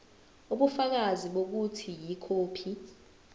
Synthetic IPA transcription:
uɓufak̬aziɓok̬utʰijikʰoːpʰi

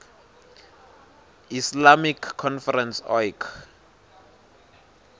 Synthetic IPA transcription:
islamikʰːɔnfɛrɛnsɔjkʰ

